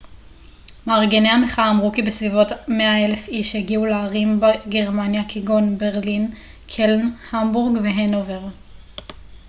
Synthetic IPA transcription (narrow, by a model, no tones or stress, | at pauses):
maːʁɡeneameχaːmʁukibesvivo̞tme̞ae̞le̞fiʃheɡiuleaʁimbeɡeʁmanjakiɡo̞nbeʁlin | kʰelnhambuʁɡveɦenoveʁ